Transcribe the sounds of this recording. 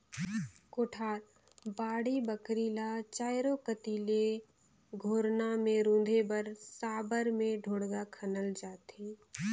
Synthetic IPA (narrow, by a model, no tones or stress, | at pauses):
koːʈʰaːɾ | baːɽibəkɾiːlat͡ʃaːjɾokət̪iːle | ɡʱoːɾnamẽɾũːnd̪ʱebəɾsaːbəɾmẽɖʱoːɽɡakʰənəld͡ʒaːt̪eː